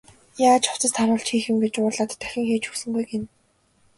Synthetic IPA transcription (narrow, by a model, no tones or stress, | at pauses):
jaːt͡ɕʰʊw̥t͡sə̆st̪ʰaɾʊːɬt͡ɕxiːxɘ̆mɡet͡ɕʊːrɮaːt̪ʰːæ̥xʲɪ̆ŋxeːt͡ɕxɵ̥sɵ̆ŋɡujɡen